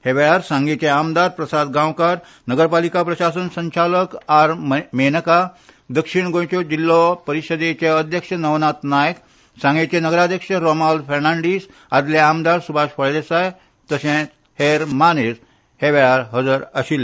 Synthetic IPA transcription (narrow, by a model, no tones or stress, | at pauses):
heʋeɭaɾsãŋɡet͡ɕeamd̪aɾpɾəsad̪ɡãwkaɾ | nəɡəɾpalikapɾəɕasənsə̃ɲt͡ɕaləkaɾmenəka | d̪əkʂiɳɡõjt͡ɕod͡ʑilːɔpəɾiɕəd̪et͡ɕeəd̪ʱjəkʂənəʋnat̪najək | sãŋɡet͡ɕenəɡəɾad̪ʱjəkʂəɾomalfʰeɾnaɳɖis | ad̪leamd̪aɾsubʱaʃpəɭed̪esaj | t̪əsẽ | heɾmanes | heʋeɭaɾɦəd͡zəɾəɕile